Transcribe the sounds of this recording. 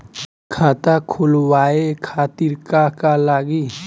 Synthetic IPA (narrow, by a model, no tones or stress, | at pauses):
kʰaːt̪akʰulwaːekʰaːt̪iɾkakalaːɡi